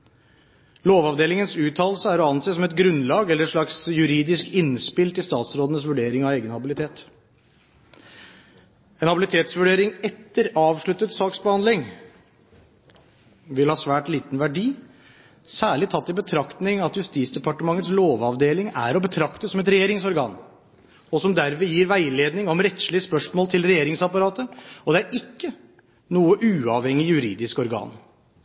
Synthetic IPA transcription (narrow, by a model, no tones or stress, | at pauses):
loːʋɑʋd̪eːlɪŋənsʉːt̪ʰɑːlsəæɾɔɑnseːsɔmɛt̪ɡɾʉnlɑːɡɛlːəɾɛʂɭɑksjʉɾiːd̪ɪskɪnspɪlt̪ɪlst̪ɑːt̪sɾoːd̪ənəsʋʉɖeːɾɪŋɑʋeːɡənhɑbɪlɪt̪ʰeːt̪ | enhɑbɪlɪt̪ʰeːt̪sʋʉɖeːɾɪŋɛt̪ːəɾɑːʋʂɭʉt̪ːət̪sɑːksbəhɑnd̪lɪŋ | ʋɪlhɑːsʋæːʈliːt̪n̩ʋæɖiː | sæːɭɪt̪ʰɑt̪ːɪbət̪ʰɾɑkt̪nɪŋɑt̪jʉst̪iːt̪sd̪ɛpɑʈəmɑŋːət̪sloːʋɑʋd̪eːlɪŋæ̰ɾɔbət̪ʰɾɑkt̪əsɔmɛt̪ɾɛjeːɾɪŋsɔɾɡɑ̰ːn | ɔsɔmd̪æɾʋɛjiːɾʋæɪleːd̪nɪŋɔmɾɛt̪slɪəspœʂmoːlt̪ʰɪlɾɛjeːɾɪŋsɑpɑɾɑːt̪əɔd̪ɛæɾɪkːə | nuːəʔʉːɑʋhɛŋːɪjʉɾiːd̪ɪskɔɾɡɑ̰ːn